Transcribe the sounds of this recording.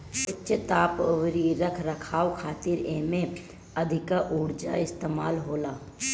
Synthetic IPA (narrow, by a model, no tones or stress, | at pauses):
ʊtːʃət̪aːpʋɾiɾɐkʰɾɐkʰaːwkʰaːt̪ɪɾeːmẽ | ɐd̪ʱɪkaʔʊːɽd͡ʒaɪst̪eːma̰ːlɦoːlaː